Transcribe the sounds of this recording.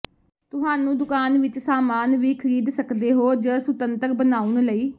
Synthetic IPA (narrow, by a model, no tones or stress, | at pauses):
t̪ʊɦaːnũːd̪ʊkaːnʋɪt͡ʃsaːmaːnʋiːkʰəɾiːd̪səkd̪eːɦoːd͡ʒəːsʊt̪ənt̪əɾbənaːʊnləiː